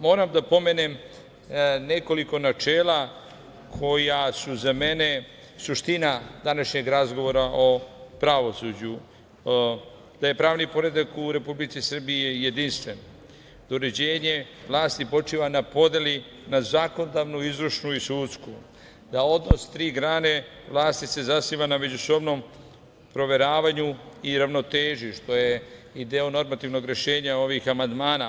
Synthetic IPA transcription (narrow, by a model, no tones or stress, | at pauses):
mo̞ːɾamd̪apo̞menem | neko̞liko̞nat͡ʃeːla | kʰo̞jasuzame̞ne̞ | suʃt̪inad̪anaʃɲe̞ɡɾazɡo̞ʋoɾaʔo̞pɾaʋo̞sud͡ʑu | d̪̥aje̞pɾaːʋnipo̞ɾe̞d̪akuɾe̞publit̪sisr̩bijeje̞d̪inst̪ʋe̞no | d̪uɾe̞d͡ʑe̞ːɲe̞ʋlˠaːst̪ipo̞t͡ʂiːʋanapo̞d̪jeli | nazako̞nod̪aʋnuizɾuʃnuisuːt̪sku | d̪ao̞d̪nost̪ɾiːɡɾaːne̞ | ʋlˠaːst̪ise̞zasiːʋaname̞d͡ʑuso̞bno̞m | pɾo̞ʋe̞ɾaːʋaɲuiɾaʋno̞t̪eːʒuʃt̪o̞jeid̪eono̞ɾmat̪iʋno̞ɡɾe̞ʃe̞ːɲao̞ʋixamand̪maːna